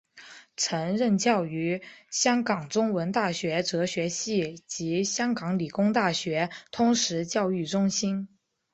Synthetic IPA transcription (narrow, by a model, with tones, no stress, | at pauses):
ʈ͡ʂʰɤ˧˥ŋɻə˥˧nt͡ɕjɑ˥˩ʊy˧˥ɕjɑ˥ŋkɑ˨˩ŋʈ͡ʂʊ˥ŋwə˧˥nt̪a˥˩ɕɥɛ˧˥ʈ͡ʂɤ˧˥ɕɥɛ˧˥ɕi˥˩t͡ɕi˧˥ɕjɑ˥ŋkɑ˧˥ŋli˨˩kʊ˥ŋt̪a˥˩ɕɥɛ˧˥t̪ʰʊ˧˥ŋʂɻ̩˧˥t͡ɕjɑ˥˧ʊy˥˩ʈ͡ʂʊ˥ŋɕi˥n